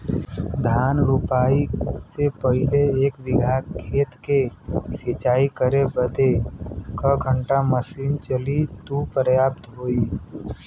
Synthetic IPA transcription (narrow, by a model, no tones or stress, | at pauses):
d̪ʱjaːnɾupaːisepəɦɪleeːkʋɪɡʱaːkʰːeːt̪keset͡ʃaːikəɾebəd̪ekəɡʱə̃ɳʈaməsiːnt͡ʃəlit̪upɾjaːpt̪ɦoːi